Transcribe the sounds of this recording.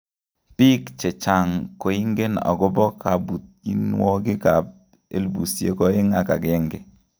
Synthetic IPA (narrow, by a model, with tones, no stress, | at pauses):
pi˦kt͡ʃɛ˨t͡ʃa˨ŋko˨i˦ŋɡe˦na̰˨ɡɔ˦bɔ˦kʰa˨bu˨t̚i˦n˦wɔ˦ɡɪ˦ka˨p̚ | e˦lbu˨sjḛ˨kɔ˦ɪ˦ŋa˨ka̰˨ɡɛ˦ŋɡɛ˦